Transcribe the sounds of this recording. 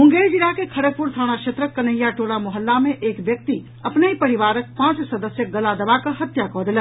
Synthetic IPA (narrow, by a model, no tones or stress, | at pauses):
mʊ̃ŋɡeːɾd͡ʒiɾakekʰɐɽək̚pʊɾt̪ʰaːɽ̃aʃʰet̪ɾəkːɐnəjaʈoːɽamʊɦəlːamẽʔeːkʋjək̚t̪i | ɐpneipɐɾiʋaːɾək̚pãːt͡ʃsəd̪əsjəɡɐlad̪ɐʋakəɦət̪jakɔːd̪ɪlə